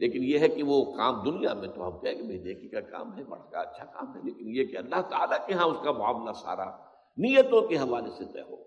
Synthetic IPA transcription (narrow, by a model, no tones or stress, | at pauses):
leːkɪnjeɦɛkiʋokaːmd̪ʊnija̰mẽt̪oɦɐmkɛɦẽːɡebeːd̪eːkikaka̰ːmɦɛbɐ̰ɽ̤ka̰ɐtːʃʰaka̰ːmɦɛleːkɪnjekeɐlːaɦt̪aa̰ːlakeɦãʊskaba̰ːʋnasa̰ːɾa̰ | nijət̪õkeɦɐʋaːleset̪ɛ̰ːɦo̰ː